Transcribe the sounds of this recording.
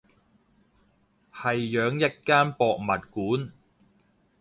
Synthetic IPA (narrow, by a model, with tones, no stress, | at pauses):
hɐ˨jːœː˨˧ŋjɐ˥t̚kaː˥npɔː˧k̚mɐ˨t̚kuː˨˥n